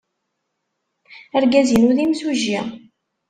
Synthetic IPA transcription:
æɾɡæzinuðimsuʒjæ

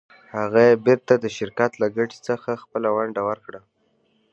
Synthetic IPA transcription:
haɣaebɪɾt̪ad̪əʃɪɾkat̪laɡaʈi̥t͡səxaxpəlawaɳɖawəɾkɽa

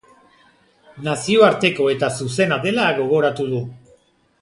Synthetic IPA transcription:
nasio̞aɾt̪e̞ko̞e̞t̪asuse̞naðe̞laɣo̞ɣ̞o̞ɾat̪uðu

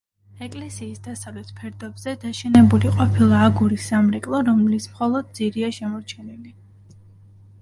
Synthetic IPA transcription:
ɛkʼlɛsiːsd̪asavlɛt̪ʰpʰɛɾd̪ɔbz̥ɛd̪aʃɛnɛbuliqʼɔpʰilˠaːɡuɾisːamɾɛkʼlˠɔɾɔmlismχɔlˠɔd̪̚d̪ziɾiaʃɛmɔɾt͡ʃʰɛnili

